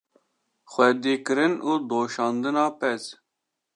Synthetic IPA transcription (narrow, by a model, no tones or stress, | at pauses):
xwɛd̪iːkɨɾɨnuːd̪oːʃɑːnd̪ɨnɑːpɛz